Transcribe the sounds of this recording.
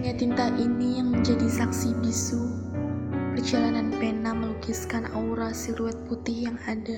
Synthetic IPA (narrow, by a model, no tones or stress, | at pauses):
ɲat̪int̪aʔinijaŋməɲd͡ʒadisaksibisu | pərd͡ʒalananpenaməlukiskanauɾasiluɛt̪̚put̪ɪhjaŋada